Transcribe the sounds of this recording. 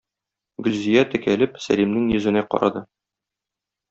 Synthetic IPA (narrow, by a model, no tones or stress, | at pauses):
ɡɵ̆lzijæt̪ɘ̆kælɘpsæ̰lʲimnɘŋjɵ̆zɘ̆næqɒ̰ɾʔɑ̰d̪ɤ